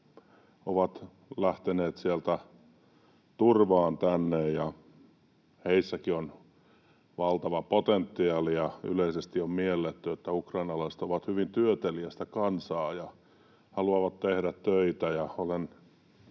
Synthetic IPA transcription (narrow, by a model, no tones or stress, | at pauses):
oʋɑt̪ | læht̪eneːt̪sielt̪æ | t̪urʋɑːnt̪ænːejjɑ | heisːækion | ʋɑlt̪ɑʋɑpot̪ent̪ːiɑːlijɑy̰leisest̪iommielːet̪ːyet̪ːæukrɑinɑlɑiset̪oʋɑt̪hyʋint̪yøt̪eliæst̪ækɑnsɑːjɑ | hɑluɑʋɑt̪t̪ehɾæt̪tøit̪æjɑolen